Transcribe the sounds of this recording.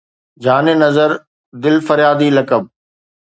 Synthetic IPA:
d͡ʑaːnenɐzəɾ | d̪ɪlfɐɾjaːd̪ilɐkəb̚

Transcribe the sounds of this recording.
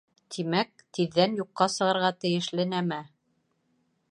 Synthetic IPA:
t̪ʰimæk̚t̪iðːænjuqːɑsɤ̆ʁɤ̆ɾʁɑt̪ɘ̆jɘ̆ʃlɘnæmæ

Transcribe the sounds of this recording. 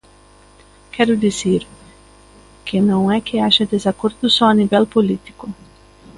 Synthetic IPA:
kʰɛɾʊd̪izeɾ | kɪnɐ̃w̃ɛkɪaʃɐd̪ezakoɾd̪ʊsɔɐnivɛlpolit̪i̥kʊ

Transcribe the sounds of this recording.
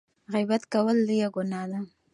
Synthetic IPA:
ɣijbat̪kawəld̪əjaɡʊnɑla

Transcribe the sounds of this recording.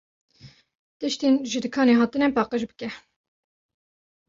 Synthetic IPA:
t̪ɨʃt̪inʒɨd̪ɨkʰɑːneːɦɑːt̪ɨnɛpɑːqəʃbɨkɛ

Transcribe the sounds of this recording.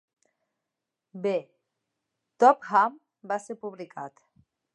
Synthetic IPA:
be | t̪ɔpham | basepuβlikat̪

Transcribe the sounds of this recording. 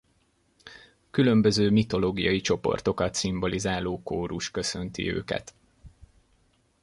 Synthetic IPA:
kylø̞mbøzøːmit̪o̞loːɡijɒjit͡ʃo̞po̞̰rt̪o̞kɒt̪simbo̞lizaːloːkoːɾuʃkø̞sø̞nt̪ḭø̰ːkɛ̰t̪

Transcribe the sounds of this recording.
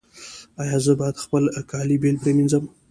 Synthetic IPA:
ajɑzəbɑjad̪xpəlkɑlibelpɾeminzəm

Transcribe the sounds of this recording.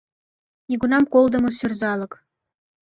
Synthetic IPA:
nʲiɡunɑmkolˠd̪ɤ̆mɤ̆syrzɑlˠɤ̆k

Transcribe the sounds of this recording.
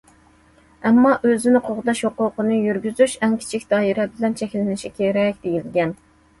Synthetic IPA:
ɛmːɑʔøzɪnɪqʰoʁʊd̪ɑʃhoqʊqənɨjyɾɡʲyzyʃɛŋkʲʰi̥t͡ʃʰikʲd̪̥ɑːiɾɛbɪlɛnt͡ʃʰɛkʲlɪnɪʃikʲʰeɾɛkʲd̪̥ejilɡʲɛn

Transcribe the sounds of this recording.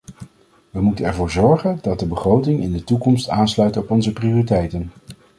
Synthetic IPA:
ʋəmutənɛɹvʊːɹzɔɹχəndɑd̚dəbəχrowtɪŋɪ̰ndətukɔmstaːnslœɥtɔpɔnzəprioritɛjtən

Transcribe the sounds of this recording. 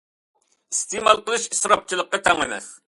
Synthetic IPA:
ist̪emɑlˠqəlˠɨʃisɾɑp̚t͡ʃʰɨlˠəqːɑt̪ʰæŋənɨ̰χ

